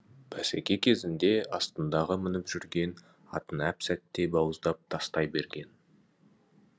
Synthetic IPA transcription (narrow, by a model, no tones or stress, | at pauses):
b̥ʰæsekʲe̞kʲʰe̞zɪnd̪e̞ɑst̪ənd̪ɑʁəmɪnɪpʒ̥ʏɾɡʲe̞n | ɑ̰t̪ənæpsæt̪ːe̞bɑwəzd̪ɑp̚t̪ʰɑst̪ɑjbe̞ɾɡʲe̞n